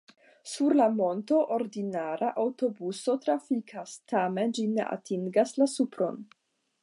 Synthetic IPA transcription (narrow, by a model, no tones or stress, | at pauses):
suɾlamo̞nto̞ʔoɾdinaɾaʔawto̞buso̞tɾafikʰastame̞nd͡ʒinḛʔa̰tʰiŋɡaslasupɾo̞̰n